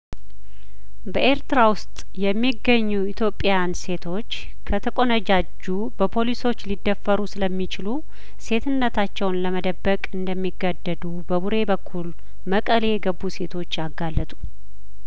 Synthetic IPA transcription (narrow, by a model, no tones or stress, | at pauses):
bəʔe̞ɾt̪ɾawʊst̪ʼjɛmːiɡəɲːuit̪ʰjo̞pʼːejanse̞t̪ʰo̞t͡ʃː | kʰət̪ʰəkʼo̞nəd͡ʒad͡ʒːu | bəpʰo̞liso̞t͡ʃːlid̪ːəfːəɾusɨləmːit͡ʃɪlu | se̞t̪ʰɨnːət̪ʰat͡ʃːɛwnləməd̪əbːəkʼɨnd̪əmːiɡad̪ːəd̪ubəbuɾe̞bəkʰːul | məkʼəlejɛɡəbːuse̞t̪ʰo̞t͡ʃːaɡːalːət̪ʼu̥